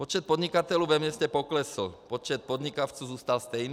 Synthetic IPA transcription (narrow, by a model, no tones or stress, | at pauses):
pɔt͡ʃɛt̪̚pɔd̪ɲikat̪ɛluʋɛmɪɛscɛpɔklɛsl̩pɔt͡ʃɛt̪̚pɔd̪ɲikaʊt͡suzuːst̪alst̪ɛjn